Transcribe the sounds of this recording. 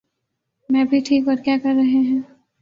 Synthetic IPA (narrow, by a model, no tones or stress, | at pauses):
mɛ̃bʱiʈʰiːkɔːɾkjaːkɐɾːɐɦeɦɛ̃ː